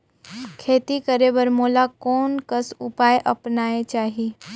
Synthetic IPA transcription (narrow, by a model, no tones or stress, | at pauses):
kʰeːt̪ikəɾebəɾmoːlakɔːnkəsʊpaːjʔɐpnaːet͡ʃaːɦiː